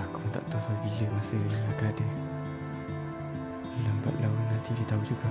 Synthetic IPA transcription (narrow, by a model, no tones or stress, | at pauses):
akunt̪a̰ʔt̪asaubiləmasəniakadə | alamba̰t̪̚lawunant̪idit̪aɦud͡ʒuɡa